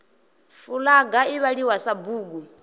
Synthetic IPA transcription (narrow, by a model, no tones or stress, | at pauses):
fulaɡaiβaɺiwasabuːɡu